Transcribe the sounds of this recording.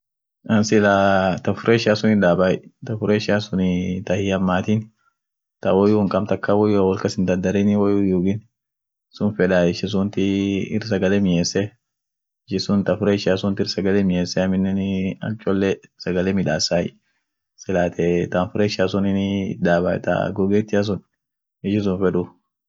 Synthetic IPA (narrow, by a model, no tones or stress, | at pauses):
ʔɐnsɪlat̪ɐfʊɾeːʃaːsʊnɪᶑ̪aːbaːjt̪ɐfʊɾeːʃaːsʊnɪt̪ɐhɪɐmːaːt̪ɪn | t̪ɐwɔjuŋkʼɐmt̪ɐkːawɔjuɐwɔlkɐsɪnd̪ɐnd̪ɐɾɛnɪwɔjujuːɡɪn | sʊnfɛᶑaːɪʃɛs̬ʊnt̪ɪɪ̰rsɐɡɐlɛmɪjeːsɛ | ɪʃɪsʊnt̪ɐfʊɾeːʃaːsʊnt̪ɪɾsɐɡɐlɛmɪjeːsːɛɐmɪnːɛnɐ̰t͡ʃʼɔlːɛsɐɡɐlemɪᶑaːsaːjɪ | sɪlaːt̪ʰɛt̪anfʊɾeːʃaːsʊnɪnɪd̪aːbat̪ɐ̰ɡɔɡeːt̪ːɪɐs̬ʊn | ɪʃɪs̬ʊnfɛᶑʊ